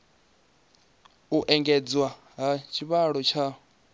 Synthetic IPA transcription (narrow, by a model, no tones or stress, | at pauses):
uʔɛŋɡɛd͡zwa | ɦat͡ʃʰiβaɺɔt͡ʃʰa